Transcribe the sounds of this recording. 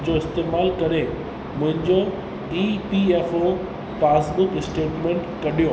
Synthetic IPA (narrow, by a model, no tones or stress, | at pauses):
d͡ʑoɪst̪eːmaːlkɐɾe | mʊ̃ɦɪ̃ɲd͡ʑo | ɖipieːfo | paːsbʊkɪsʈeːʈmẽːɳʈkɐɗijo